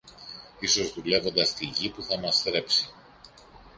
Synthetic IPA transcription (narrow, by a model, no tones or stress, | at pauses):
iso̞zðule̞vo̞nd̪ɐst̪iʝipuθɐmɐst̪ɾe̞psi